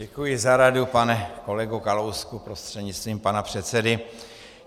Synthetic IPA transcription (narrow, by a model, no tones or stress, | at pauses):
ɛkujɪzaɾadupanɛko̞lɛɡukalowskupɾost̪r̥ɛdɲɪt͡st̪viːmpanapr̝̥ɛt̪sɛdɪ